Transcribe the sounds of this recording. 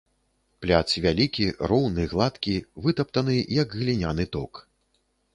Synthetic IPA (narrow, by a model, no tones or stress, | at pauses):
plʲat̪svʲalʲikʲiɾɔwnɨɣlˠat̪kʲivɨt̪ɐp̚t̪ɐnɨjɐɡɣlʲinʲanɨt̪ɔk